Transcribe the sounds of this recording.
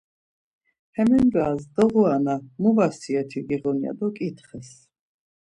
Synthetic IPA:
hɛmɛnd͡ʒaːzd̪ɔʁuanamuvasiɛt̪ʰiɡiʁɔnia̰d̪ɔkʼit̪χɛs

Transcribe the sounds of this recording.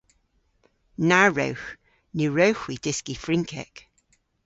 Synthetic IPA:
naɹə̰wx | niɹəwxwid̥ɪskifɹɪŋkʰɛ̰k

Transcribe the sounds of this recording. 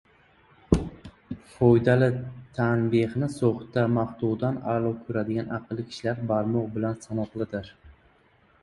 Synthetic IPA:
fojd̪alɪt̪ʰanbehnɪsoχt̪ːamaχt̪uʁd̪analˠɒwkʲʰʊɾad̪ɪɡʲanʔɑqʰɨlˠɪkʲʰɪ̥ʃlaɾbaɾmɒʁbɪlansanɒqlˠɪd̪ɪɾ

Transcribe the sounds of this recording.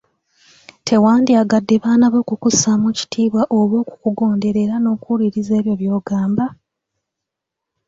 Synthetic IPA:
tʰe̞waːndiaɡadːe̞βaːnaβo̞ːkukusamuci̥tʰiːβwaʔo̞βo̞ːku̥kuɡo̞ːnde̞ɾe̞ɾano̞ːkuliɾize̞ːβjo̞βjo̞ːɡaːmba

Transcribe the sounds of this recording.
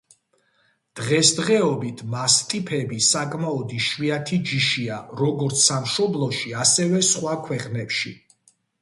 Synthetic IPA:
d̪̥ʁɛsd̪ʁɛɔbit̪ʰmast̪ʼipʰɛbisakʼmaɔd̪iʃwiat̪ʰid͡ʒiʃiaɾɔɡɔɾt̪sʰsamʃɔblˠɔʃiasɛvɛsχwakʰwɛqʼnɛpʃi

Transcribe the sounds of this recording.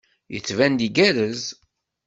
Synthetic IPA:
jə̰t͡sːvænd̪iɡæðəz

